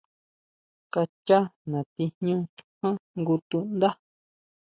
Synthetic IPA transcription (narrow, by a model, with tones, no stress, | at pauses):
ka˧t͡ʃa˦nã˨t̪i˧ɲɲũ˦˧t͡ʃu̥˧hã˦ŋɡu˧t̪ũ˦ʔnd̪a˦